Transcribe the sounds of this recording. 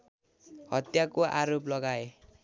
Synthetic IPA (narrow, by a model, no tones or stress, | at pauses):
hʌt̪jakoʔa̰ɾoplʌɡae